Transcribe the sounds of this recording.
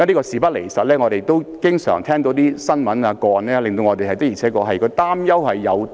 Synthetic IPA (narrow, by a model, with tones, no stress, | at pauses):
niː˥kɔː˧siː˨pɐ˥le˨˩jsɐ˨t̚lɛː˥ŋɔː˨˧ɾe˨jt̪o˥wkɪ˥ŋsœ̰ː˨˩ŋt̪ʰɛː˥ŋt̪o˧˥wt̪iː˥sɐ˥nmɐ˨˥naː˧kɔː˧nɛː˥lɪ˨ŋt̪o˧wŋɔː˧t̪e˨˩hɐ˨jt̪kjiː˨˩t͡sʰɛː˨˥kɔː˧ɦɐ˨jkɔː˧t̪aː˥mjɐ˥whɐ˨jːɐ˨˧w